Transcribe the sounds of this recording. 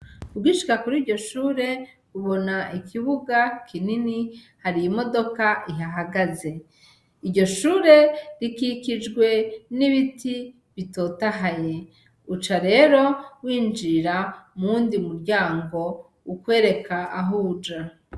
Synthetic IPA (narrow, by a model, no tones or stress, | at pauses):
ubɡiʃi̥kakuɾiːɾɟo̞ʃuːɾe̞ | uβo̞naʔikʰiβuɡakʰinini | haɾijimo̞do̞kaʔiɦaɦaɡaze̞ | iɾɟo̞ʃuːɾe̞ɾikikid͡ʒɡwe̞niβitʰi | βito̞ːtaɦaje̞ | ut͡ʃaɾe̞ːɾo̞wiːnd͡ʒiɾamuːndiumuɾɟaːŋɡo̞ | ukwe̞ːɾe̞kʰaaɦud͡ʒa